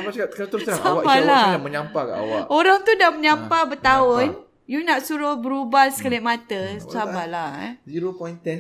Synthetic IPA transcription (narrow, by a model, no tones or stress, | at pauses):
abakakanat̪əɾʊssaawabaladamə̃ɲampaka̰ʔa̰waoɾaŋt̪udaməɲampabət̪aʊn | junaʔsuɾʊhbəɾubasə̥kaliaʔmãt̪əsabala̰ziɾopɔjnt̪ɛn